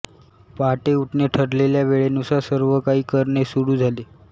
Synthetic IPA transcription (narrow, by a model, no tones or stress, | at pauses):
paʈeuʈɳeʈʰəɾleljaʋeɭenusasəɾʋəkaɦiːkəɾɳesuɽuːd͡zʱale